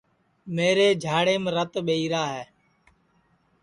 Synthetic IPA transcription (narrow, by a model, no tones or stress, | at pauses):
meːɾeːd͡ʒʱaːɽeːmɾət̪ɓeiːɾaːɦɛː